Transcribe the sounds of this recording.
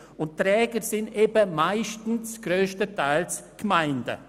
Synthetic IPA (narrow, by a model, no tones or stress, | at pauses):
ʊnttɾɛːɡəɾsɪndebəmaɪʃtn̩sɡ̥ɾøːʃtətʰaɪlsɡ̥maɪndə̰